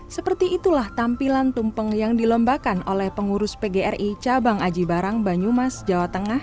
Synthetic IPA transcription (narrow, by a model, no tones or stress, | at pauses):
səpərt̪iːt̪ulaht̪ampilant̪umpəŋjaŋdilɔmbakanolɛhpəŋuɾʊspeɡeɛrit͡ʃabaŋad͡ʒibaɾaŋbaɲumasd͡ʒawat̪əŋah